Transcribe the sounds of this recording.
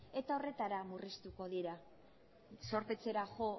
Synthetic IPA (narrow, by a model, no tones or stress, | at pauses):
e̞t̪ao̞re̞t̪aɾamurist̪uko̞ðiɾa | so̞ɾpe̞t͡se̞ɾaʝo